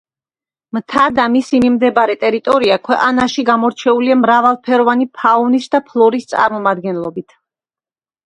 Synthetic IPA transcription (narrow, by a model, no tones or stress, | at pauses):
mt̪ʰad̪amisimimd̪ɛbaɾɛt̪ʼɛɾit̪ʼɔɾiakʰwɛqʼanaʃiɡamɔɾt͡ʃʰɛuliamɾavalˠpʰɛɾɔvanipʰaɔnisd̪apʰlˠɔɾist̪sʼa̰ɾmɔmad̪ɡɛnlˠɔbit̪ʰ